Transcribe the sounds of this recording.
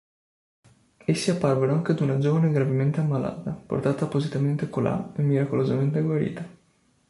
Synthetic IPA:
esːiapːarvenoaŋk̟ed̪unad͡ʒoːvaneɡɾavement̪eamːala̰ːt̪apo̰rt̪aːt̪apːozit̪ament̪ekolʔa̰emːiɾakolozament̪eɡwaɾḭːt̪a

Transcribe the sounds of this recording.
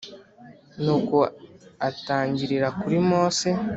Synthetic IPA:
nuːko̞ataːɲɟiɾiɾakuɾimo̞ːse

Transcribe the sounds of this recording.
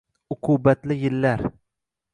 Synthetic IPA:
ʊqʰubat̪lɪjɪlːaɾ

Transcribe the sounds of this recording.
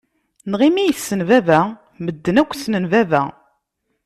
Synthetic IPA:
nʁimijəsːənvævæ | məd̪ːənækʷːsnənvævæ̰

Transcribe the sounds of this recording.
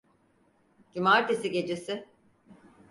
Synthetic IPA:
ɟimaɾt̪ʰesiɟe̞d͡ʒe̞sɪ

